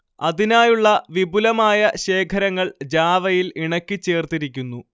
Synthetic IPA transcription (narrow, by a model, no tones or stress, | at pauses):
ɐðinaːjuɭːɐʋibulɐmaːjɐɕe̞ːkʰɐɾɐŋːɐɭd͡ʑaːʋɐjiliɳɐkʲːit͡ɕːe̞ːrt̪iɾikʲːunːu